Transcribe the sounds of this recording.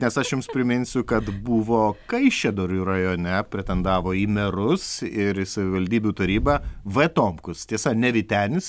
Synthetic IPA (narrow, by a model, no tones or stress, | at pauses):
nʲɛsɐʃjʊmspʲɾʲɪmʲɪnʲsʲʊkɐt̪buːʋoːkɐɪʃʲɛd̪oːɾʲuːrɐjoːnʲɛpʲɾʲɛt̪ʲɛnd̪ɑːʋoːiːmʲɛɾʊsɪɾsɐʋʲɪʋɐlʲd̪ʲiːbʲuːt̪ɐɾʲiːbɑʋɛt̪oːmpkʊst̪ʲiɛsɐnʲɛʋʲɪt̪ʲæːnʲɪs